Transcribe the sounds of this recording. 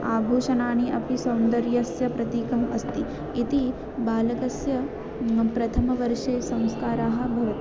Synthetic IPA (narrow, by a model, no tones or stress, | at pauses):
aːbʱuːʃɐnaːniʔɐpisɐwnd̪ɐɾjɐsjɐpɾɐt̪iːkɐmɐst̪i | it̪i | baːlɐkɐsjɐ | pɾɐt̪ʰɐmɐʋɐɾʂeːsɐ̃w̃skaːɾaːɦɐ̆bʱɐʋɐt̪